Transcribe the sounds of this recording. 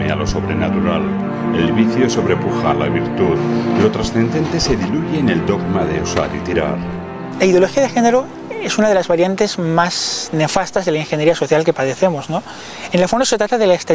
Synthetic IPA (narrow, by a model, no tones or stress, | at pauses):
ea̰lo̞so̞βɾe̞nat̪uɾal | elβiθjoso̞βɾepuxaɾla̰βiɾt̪uðlo̞t̪ɾasθe̞nd̪e̞nt̪ese̞ðiluʝeːne̞ld̪o̞ɣmaðe̞usa̰ɾḭt̪iɾa̰ɾ | laiðjolo̞xiaðexeneɾo | esunaðe̞lazβaɾjant̪e̞zmazne̞fast̪azðelaiŋxeɲeɾiaso̞θjalke̞paðe̞θe̞mozno | enlafonose̞t̪ɾat̪aðelaest̪e